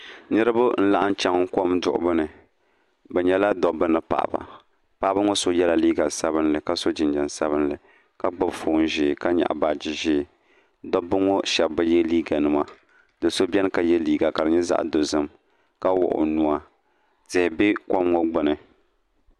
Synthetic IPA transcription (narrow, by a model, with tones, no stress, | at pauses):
nɨ˦ɾɨ˦bʊ˦n̩˦la˦˨ʔa˦n˦t͡ʃa˦ŋ˦ko˦mdʊ̰˨ʔʊ̰˨bɨ˦nɨ˨ | bɛ˨ɲɛ˦la˦dɔ˨bɨ˦nɨ˦pa̰˨ʔba̰˨ | pa˦bɨ˦ŋo˦so˦jɛ˦la˨liː˦ɡa˨sa˦bɨ˦n˦lɨ˨ka˦so˦d͡ʒɪ˨nd͡ʒɛ˨n˨sa˦βɨ˦nlɨ˨ | ka˦ɡ͡bɨ˨bfoː˨n˨ʒɪː˨ka˦ɲa̰˨ʔbaː˨d͡ʒɪ˨ʒɪː˦˨ | dɔ˦bɨ˦ŋo˦ʃɛ˨bːɨ˦jɛ˦liː˦ɡa˨nɨ˨ma˦ | dɨ˨so˦bɛ˦nɨ˦ka˨jɛ˦liː˦ɡa˨ka˨ɾɨ˨ɲɛ˦za̰˦ʔdo˨zɨ˦m | ka˦wʊ̰˨ʔʊ̰˨nu˦a˦ | tɪ˨hɪ˨bɪ˦kɔ˦mŋo˦ɡ͡bɨ˨nɨ˨